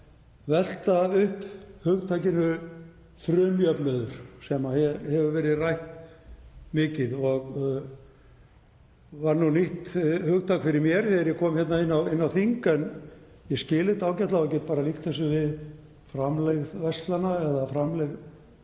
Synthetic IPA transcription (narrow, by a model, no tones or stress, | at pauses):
vɛl̥t̪aʏhphʏɣt̪ʰajcɪnʏ | fɾʏːmjœpnʏðʏɾ̥sɛmahɛhɛvʏvɛːɾɪðrajht̪ | mɪːcɪðɔɣ | vaɾnuniht̪hʏɣt̪ʰakfɪɾɪɾmjɛɾ̥θɛɾjɛkʰɔːmçɛt̪naɪnːawɪnːawθiŋkɛn | jɛscɪːlɪt̪aːwcɛht̪laac̬ɛːt̪̚paːɾalihkt̪θɛs̬ʏvɪð | fɾamlɛɣðvɛst̪lanaɛðafɾamlɛɣ